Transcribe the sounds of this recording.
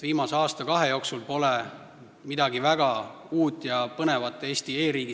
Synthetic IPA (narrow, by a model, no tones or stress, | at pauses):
viːmɑseɑːst̪ɑkɑɦe̞jo̞ːksulpo̞le | mid̪ɑɡivæɡ̥ɑ | uːt̪ːˑjɑpɤne̞vɑt̪ːˑe̞ːst̪ie̞ːɾiːɡ̥i